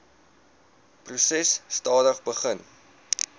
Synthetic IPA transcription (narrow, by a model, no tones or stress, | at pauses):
prusɛsːtɑːdəχbəχən